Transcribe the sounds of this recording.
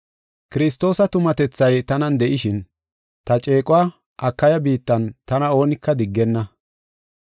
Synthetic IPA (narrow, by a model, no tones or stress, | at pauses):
kɪɾɪs̬t̪o̞ːsɐt̪ʊmɐt̪ɛt͡sːɐjt̪ɐnɐnd̪ɛʔɪʃɪn | t̪ɐt͡ʃʼe̞ːkʼʊwaː | ʔɐkːɐjɐbiːt̪ːɐnt̪ɐnɐo̞ːnɪkːɐd̪ɪɡːɛnːɐ